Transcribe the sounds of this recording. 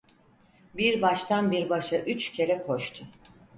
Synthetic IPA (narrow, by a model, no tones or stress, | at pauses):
biɾbaʃt̪ʰanbiɾbaʃaʔyt͡ʃcʰe̞ɾɛkʰo̞ʃt̪ʰʊ